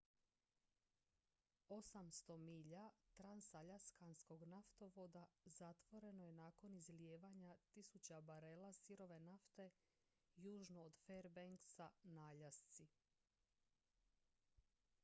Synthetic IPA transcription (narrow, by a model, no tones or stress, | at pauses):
o̞samst̪o̞miʎat̪ɾansaʎaskansko̞ɡnaft̪o̞ʋo̞d̪azat̪ʋo̞ɾe̞noje̞naːko̞nizljeːʋaɲat̪isut͡ɕabaɾelasiɾo̞ʋe̞naft̪e̞ | juːʒnoːd̪feɾbeŋksanaːʎast̪si